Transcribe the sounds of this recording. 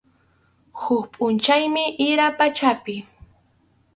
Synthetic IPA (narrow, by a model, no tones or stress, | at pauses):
hʊkpʼʊnt͡ʃajmɪʔɪɾapat͡ʃapɪ